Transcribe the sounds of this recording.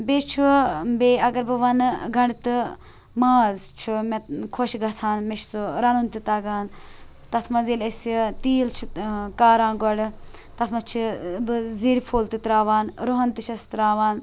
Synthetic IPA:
beːt͡ʃʰubeːɐɡɐɾbɨʋɐnɡʱɐɳɖt̪ɨ | maːzt͡ʃʰumekʰoʃɡɐt͡sʰaːnmeʃt͡suɾɐnunt̪it̪ɐɡaːn | t̪ɐt̪ʰmɐziːlɐsit̪iːlt͡ʃʰukaːɾãːnɡɔɖ | t̪ɐt̪ʰmɐt͡ʃʰibɨziɾipʰoːlt̪it̪ɾaːʋaːnɾoɦɐnt̪ɨʃʰɐst̪ɾaːʋaːn

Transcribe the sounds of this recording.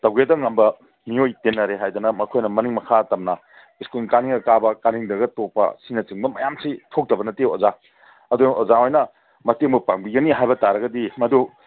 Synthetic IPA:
tɐwɡedɐŋːɐmbɐ | miojtenːɐɾeɦajdɐnɐmɐkʰojnɐmɐniŋmɐkʰaɐtɐmnɐ | iskunkaniŋɐkabɐkaniŋdɐɡɐtopːɐ̰sinɐt͡ʃɯŋbɐmɐjamsitʰok̚dɐbɐnɐteoza | ɐduozaojnɐ | mɐteŋbupaŋbiɡɐniɦajbɐtaɾɐɡɐdimɐdu

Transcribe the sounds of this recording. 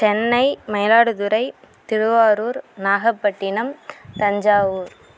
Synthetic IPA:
t͡ʃɛnːɐɪmɐɪlaːɽɯðɯɾɐɪ | t̪ɪɾɯʋaːɾuːɾnaːɣɐpːɐʈːɪnɐmt̪ɐɲd͡ʒaːʋuːɾ

